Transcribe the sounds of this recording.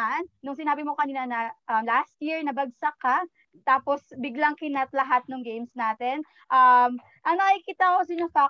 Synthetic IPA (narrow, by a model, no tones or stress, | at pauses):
nnʊŋsɪnaːbɪmo̞kɐniːnɐnɐʔɐmlast̪̚jiɹnɐbɐɡ̚sɐka | t̪aːposbɪɡlaŋkɪnat̪̚lɐɦat̪̚nʊŋɡejmsnaːt̪ɛn | ʔɐm | ʔɐŋnɐkikiːt̪akos̬ɐɲofa